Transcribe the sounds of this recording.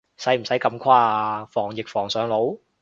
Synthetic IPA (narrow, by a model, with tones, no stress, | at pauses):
sɐ˨˥jm̩˨˩sɐ˨˥jkɐ˧mkʰaː˥fɔː˨˩ŋjɪ˨k̚fɔː˨˩ŋsœː˨˧ŋlo˨˥w